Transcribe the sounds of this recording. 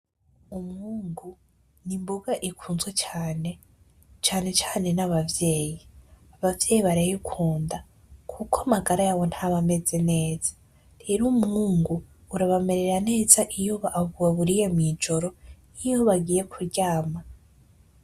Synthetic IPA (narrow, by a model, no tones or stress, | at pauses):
umhuːŋɡu | nimboɡaʔikʰuːnzwet͡ʃaːne̞ | t͡ʃaːne̞t͡ʃaːne̞naβavje̞ːjiaβavje̞ːjiβaɾajikʰuːnda | kʰukamaɡaɾajaβo̞nthaβame̞ze̞ne̞ːz̥ḁ | ɾeɾumŋuːŋɡuː | ɾaβame̞ɾe̞ɾane̞ːzaʔijoβaʔːvuwaβuɾijemid͡ʒo̞ɾo̞nijoβaɡiːje̞kʰuɾɟaːma